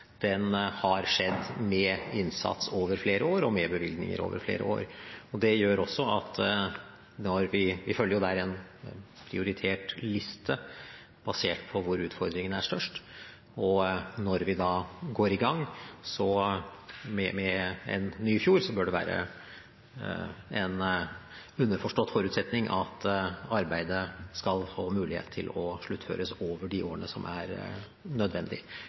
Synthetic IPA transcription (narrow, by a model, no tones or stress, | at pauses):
d̪̥ɛnhɑɾʂɛd̪ːmɛɪnsɑ̰t̪soːʋəɾfleːɾəoːɾɔmɛbəʋɪlɡ̪nɪ̰ŋə̰ɾo̰ːʋə̰ɾflḛːɾə̰o̰ːɾɔd̪ɛjøːɾɔsːɔɑt̪ | nɔɾʋɪʋɪfœlːəɾjʊd̪ɛæːɾɛn | pʰɾɪʊɾɪt̪ʰeːʈlɪst̪ʰə | b̥ɑseːʈpʰɔʋʊɾʉːt̪fɔɾd̪ɾɪŋənæʂt̪œʂʈ | ɔnɔɾʋɪd̪ɑːɡoːɾɪɡɑŋːsɔ | mɛmɛɛ̰nːyːfjuːɾsɔbøːɖɛʋæ̰ːɾə̰ | ɛn | ʉnːəɾfɔʂʈɔt̪ːfɔɾʉːt̪sɛt̪nɪŋʔɑt̪ɑɾbæɪd̪əskɑlfoːmʉːlɪhḛːt̪ʰːɪ̰lɔʂɭʉt̪ːfø̰ːɾəsoːʋəɖɪʔoːəɳəsɔmʔæɾ | nœd̪ʋɛnd̪ɪ